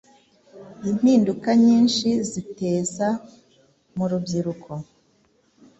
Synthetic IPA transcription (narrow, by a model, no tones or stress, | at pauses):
im̥hiːndukaɲiːnʃizite̞ːza | muɾubɟiɾukʰo